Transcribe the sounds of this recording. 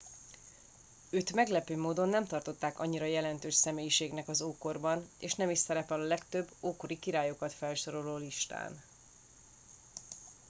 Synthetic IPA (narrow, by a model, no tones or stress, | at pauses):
øːt̪mɛɡlɛpøːmoːd̪o̞nːɛmt̪ɒrt̪o̞t̪ːaːkɒ̰ɲːiɾɒjɛlɛnt̪øːʃsɛmeːjiʃeːɡnɛkɒzoːko̞rbɒnḛːʃnɛmiʃsɛɾɛpɛlɒlɛkt̪øbːoːko̞ɾikiɾaːjo̞kɒt̪fɛlʃo̞ɾo̞loːliʃt̪a̰ːn